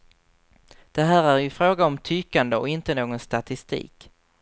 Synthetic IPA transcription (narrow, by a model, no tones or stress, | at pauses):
d̪̥ɛɦæːɾæɾjɵfɾoːɡaɔmt̪ʰyːkːand̪əɔ̰ɪnt̪ənoːɡɔnst̪at̪ɪst̪ḭːk